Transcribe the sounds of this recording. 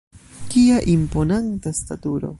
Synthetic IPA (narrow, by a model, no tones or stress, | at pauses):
kiaʔimpo̞nantastatuɾo̞̰